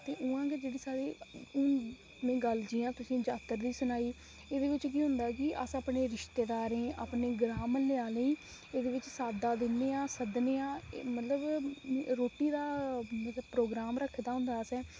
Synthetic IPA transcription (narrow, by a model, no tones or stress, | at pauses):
t̪eːʔʊ̃ːãːɡeːd͡ʒeːɽiːsaːɽeːʊ̃ː | mɛ̃ːɡəld͡ʒiːãːt̪ʊsĩːd͡ʒaːt̪ːəɾd̪iːsʊnaːiː | eːd̪eːʋɪt͡ʃkiːɦʊ̃nd̪aːkɪʔəsaːpneːɾɪʃt̪eːd̪aːɾẽːʔaːpneːɡɾaːməlɪãːləĩː | eːd̪eːʋɪt͡ʃsaːd̪aːd̪ɪneːaːsəd̪neːaːmət̪ləbɾoːʈːiːd̪aːmət̪əbpɾoːɡɾaːmɾəkʰːd̪aːɦʊ̃nd̪aːsɛː